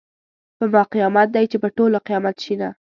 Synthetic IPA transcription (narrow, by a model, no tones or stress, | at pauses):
pəmɑqijɑmat̪̚d̪ajt͡ʃepəʈolaqijɑmat̪ʃina